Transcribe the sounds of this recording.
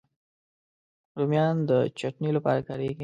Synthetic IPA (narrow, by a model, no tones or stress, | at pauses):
ɾumjɑnd̪ət͡ʃaʈnilapɑ̰ɾakaɾek